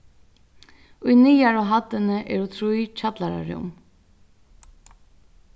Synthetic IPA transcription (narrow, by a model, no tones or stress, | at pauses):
ʊjnijaɹɔɦat̪ːɪnəʔɛɾut̪ʰɾujt͡ʃʰat̪laɾa̰ɾʊ̰ʊ̰m